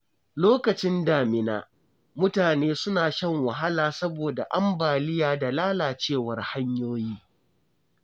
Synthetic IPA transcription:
loː˦kɐ˨t͡ʃɪ˦ndaː˨mɪ˨na̰ː˨ | mʊ˦taː˨neː˦sʊ˦naː˨ʃɐ˦˨ŋwɐ˨ɦa˦laː˨sɐ˦boː˨da̰˨ʔa˦mbaː˨lɪ˦jaː˨da˨laː˦laː˨t͡ʃeː˦˨wɐ˦rha˦ɲjoː˦jiː˦

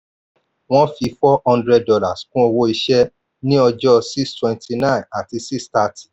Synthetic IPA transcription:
w̃ɔ̃˦fi˧fɔ˦hɔ̃˧ndɾɛ˧d̚dɔ˧la˨skũ˦o˧wo˧i˧ʃɛ˦ | nĩ˦ɔ˧d͡ʒɔ˦si˦stwɛ̃˨˧nti˧nã˦˨a˨ti˧si˦sta˧ti̥˨

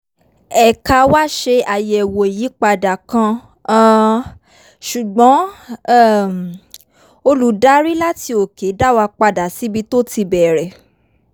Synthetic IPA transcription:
ɛ˨ka˧˨wa˦ʃe˧a˨jɛ˨wo˨e˨ji˨˦k͡pa˧da˨kã˧˦ | ʃu˨ɡ͡bɔ̃˨˦˨ | o˧lu˨˦da˨˦ɾi˦la˦ti˧o˨ke˨˦da˦˨wa˧k͡pa˧da˨˦si˨˦bi˧˦to˦ti˧bɛ˨ɾɛ˨

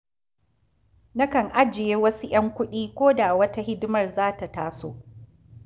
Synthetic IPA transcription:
na˦kɐ˨ŋʔa˦d͡ʒɪ˨jeː˦wɐ˦su˦j̰ɐ˦ŋkʷʊ˦ɗiː˦kʷoː˦da˨wɐ˦ta˦hɪ˦dɪ˦mɐ˨rzaː˦ta˨taː˦so̰ː˦

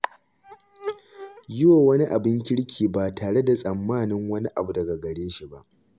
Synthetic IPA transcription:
jʊ˦waː˨wɐ˦ni˦ʔa˨bɪ˦ŋkʲɪ˦ɽkʲʰiː˨baː˨taː˨ɽe˦da˨sʼɐ˨mːaː˦˨nɪ˦ŋwɐ˦ni˦ʔa˨bu˨dɐ˨ɡa˨ɡɐ˨ɽeː˦ʃi˨ba˦ʔ

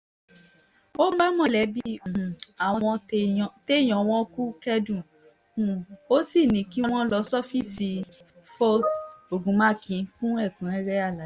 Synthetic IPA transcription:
o˦ɡ͡ba˦mɔ̃˦lɛ˨˦bi˦˨a˨w̃ɔ̃˧ɔ̃˧˨˧te˦˨j̃ɔ̃˨˧w̃ɔ̃˦ku˦kɛ˦dũ˦˨ | ũ˨o˦si˦˨nĩ˨˦ki˦˧w̃ɔ̃˦lɔ˧˦sɔ˦fi˦si˧ | fɔ˦so˨ɡũ˨˦mã˦˨kʰĩ˨˧fũ˦ɛ˦˨kũ˨˦ɛ˦ɾɛ˦a˦˨la˨˦

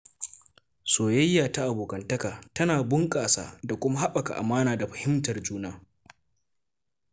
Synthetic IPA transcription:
soː˨jɐ˦jːaː˨ta˦ʔa˨boː˨kɐ˨ntɐ˦kaː˨tɐ˦naː˨bʊ˦ŋkʼaː˨sa̰ː˦da˨kʷʊ˦ma˦ɦa˦ɓɐ˨ka̰˨ʔa̰˨maː˦naː˨da˨ɸɐ˨hɪ˦mtɐ˨rd͡ʒuː˦naː˦

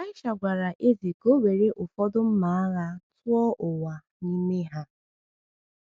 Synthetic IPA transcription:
a˦ɪ˦ʃa˨ɡʷa˨ɾa˨ʔe˦zi˨ko˦we˨ɾe˦ʔʊ˨fɔ˦dʊ˦m̩˦ma˨a˦ɣa˦tʊ˦ɔ˦ʔʊ˨wa˨ | ni˦me˦ɦa˦

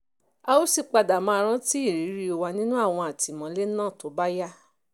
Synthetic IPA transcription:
a˧o˦si˦˨k͡pa˧da˨mã˧ɾ̃ã˦ti˦i˦˨ɾi˨˦ɾi˧˦o˧wa˧nĩ˦nũ˦a˦˨w̃ɔ̃˧a˨ti˨mɔ̃˨˦le˦nãː˦˨to˨˦ba˦ja˦

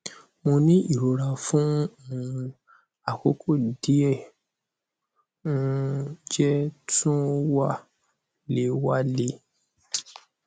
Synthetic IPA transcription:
mo˧nĩ˦i˦˨ɾo˨ɾa˨fũ˦˨ | a˨ko˨˦kʰo˦˨di˨˦ɛ˦˨ | ũ˧d͡ʒɛ˦tũ˦wa˦ | le˨˦wa˧le˧˦

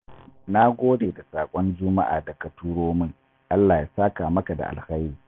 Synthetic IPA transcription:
na˦ɡʷoː˦deː˨da˨saː˨kʷʼɔ˦nd͡ʒʊ˦ma˦ʔa̰ː˨dɐ˨ka˨tuː˦ɽoː˦mɪ˦ŋ | ʔa˦lːaː˨ja˨saː˦kaː˨mɐ˦ka˨da̰˨ʔa̰˨lxa˦jɾiː˨

